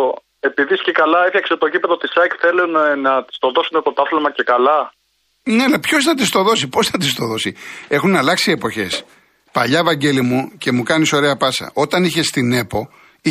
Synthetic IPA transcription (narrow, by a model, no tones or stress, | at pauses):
e̞piðiscekɐlɐefçɐkset̪oʝipeðɐot̪isɐkθe̞lunnɐt̪i̥st̪o̞ðosunept̪ot̪ɐθlmɐce̞kɐlɐ | nelɐpço̞sθɐt̪ist̪o̞ðo̞sipo̞snɐt̪ist̪o̞ðo̞sie̞xunɐlɐksie̞po̞çe̞s | pɐʎɐevɐɲɟe̞limuce̞mukɐniso̞ɾe̞ɐpɐsɐ̰ʔo̞t̪ɐniçe̞st̪ine̞po̞ | i